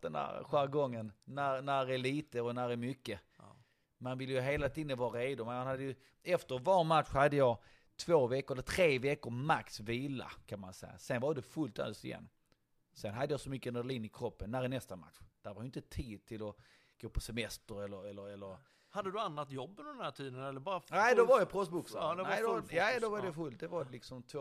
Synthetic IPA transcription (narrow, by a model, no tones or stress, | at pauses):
d̪̥ɛnd̪æ̰ɾɧæɾɡɔŋːənnæɾnæɾæliːt̪əɔnæɾæɾmʏkːə | manvɪlːəjɵɦeːlat̪ʰiːd̪ənvɑːɾɾeːd̪ʊmɛnanhad̪ːəjɵ | ɛft̪əɾvɑːɾmat̪ɧhad̪ːəjɑː | t̪ʰvoːvɛkːʊɾɛlːət̪ʰɾeːvɛkːəɾmaksviːla̰kʰanmansɛ̰jːa̰sɛnvɑɾd̪ɛfɵlt̪œ̰lst̪ɪjɛ̰nː | sɛnɦad̪ːəjɑːsɔmʏkːənɛliːnɪkʰɾɔpːənːæɾɛnɛst̪ama̰t̪ɧd̪̥æɾvɑɾjʏʏɪnt̪ət̪ʰiːd̪̚t̪ʰɪlɔ | ɡ̥oːpʰɔsɛmɛst̪əɾɛlːəɾɛlːəɾɛlːəɾ | had̪ːəd̪ɵanːat̪jɔbːɪd̪ɛnhæʈʰiːd̪ənɛlːəɾbɑːɾanæɪd̪ɔvaɾjəpʰɾɔst̪bʊksnæd̪jad̪ɔvɑd̪ɛfɵlt̪̚d̪ɛvaɾdɛlɪksɔmt̪ʰː